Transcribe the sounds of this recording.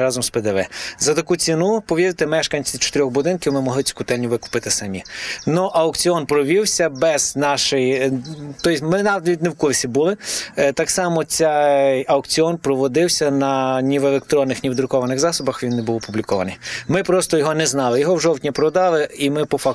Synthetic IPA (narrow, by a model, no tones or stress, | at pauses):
ɾɑzɔmspɛd̪ɛʋɛzɐt̪ɐkut͡sʲinupɔʋʲiɾt̪emɛʃkɐnʲt͡sʲiwt͡ʃɔ̥t̪eɾʲɔxbʊd̪ɪnkʲɪwmɪmɔɦlˠɪt͡sʲi̥kʊt̪ɛlʲnʲiʋɪkʊ̥pɪt̪ɪsɐmʲinɔʔɐɔkt͡sʲiɔnpɾɔʋʲiwsʲɐbɛznɑʃɪjt̪ɔjsʲmɪnɑd̪ɐʋʲitʲnewkʊrsʲibulˠɪt̪ɑksɑmɔt͡sʲɛjɐɔkt͡sʲiɔnpɾɔʋɔd̪ɪwsʲɐnɐnʲiʋelˠek̚t̪ɾɔnːɪxnʲiwd̪ɾʊkɔʋɐnɪxzɑsɔbɐxʋʲinːebuwɔpublʲikɔʋɐnɪjmɪpɾɔst̪ɔjɔɦɔnɛznɑlˠɪjɔɦɔwʒɔwtʲnʲipɾɔd̪ɑlˠɪimɪpɔfɑ